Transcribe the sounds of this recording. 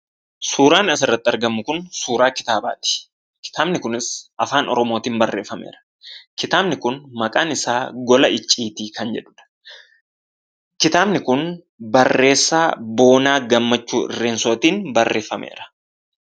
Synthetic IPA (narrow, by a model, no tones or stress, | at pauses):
suːɾaːnɐsɪrːɐt̪ːɪɐɾɡɐmːʊkʊnsuːɾaːkɪ̥t̪aːba̰ːt̪ɪ̥ | kɪ̥t̪aːbnɪkʊnɪsʔɐfaːnɔ̰ɾɔmoːt̪iːnbɐrːe̞̰ːfːɐmḛːɾɐ̥ | kɪt̪aːbnɪkʊnmɐkʼaːnɪsaːɡɔlɐɪt͡ʃʼːiːt̪iːkɐnd͡ʒɛᶑʊ̥ᶑɐ̥ | kɪt̪aːbnɪkʊn | bɐrːe̞ːsːaːbo̞ːnaːɡɐmːɐt͡ʃːuːʔɪ̰rːe̞ːnsoːt̪iːnbɐrːe̞ːfːɐmʔḛːɾɐ̥